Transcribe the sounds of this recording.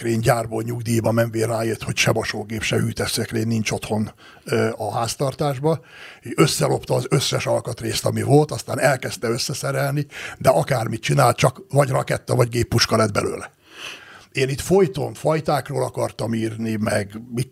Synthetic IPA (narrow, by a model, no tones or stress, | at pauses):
kreːɲɟaːrboːɲuɡd̪ijbɒmɛnveːrːaːjet̪ho̞cʃɛmɒʃoːɡeːpʃɛhyːt̪ɛsɛkreːnːint͡ʃo̞t̪ho̞n | ɒɦaːst̪ɒrt̪aːʒbɒeøsːɛlo̞pt̪ɒːzø̞sːɛʃɒlkɒt̪reːst̪ɒmivo̞lt̪ɒst̪aːnɛlkɛst̪ɛø̞sːɛsɛɾɛlnid̪ɛʔɒkaːrmit̪̚t͡ʃinaːlt̪t͡ʃɒkvɒɟrɒ̰kɛ̰t̪ːɒvɒɟɡeːpːuʃkɒlɛd̪̚bɛ̰lø̰ːlɛ | eːnit̪fo̞jt̪o̞̰ɱfɒjt̪aːkroːlɒkɒrt̪ɒmiːrnimɛɡmi